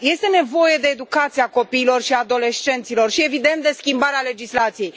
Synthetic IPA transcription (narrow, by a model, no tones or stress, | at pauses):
je̞st̪e̞ne̞vo̞je̞d̪e̞ːd̪ukat̪siako̞piːlo̞rʃiad̪o̞le̞st͡ʃe̞nt̪silo̞rʃie̞vid̪e̞nt̪̚d̪e̞skʲimbaɾeale̞d͡ʒislat̪sije̞jj